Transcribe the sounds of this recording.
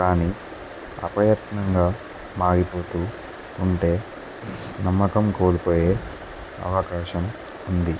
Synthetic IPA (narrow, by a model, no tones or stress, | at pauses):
kaːniː | ɐ̰pɐjɐt̪nɐŋɡaː | maːɡipo̞ːt̪uː | uɳʈe̞ː | nɐmːɐkɐmko̞ːlupo̞ːjeː | ɐ̰ʋɐkaːʃɐm | und̪i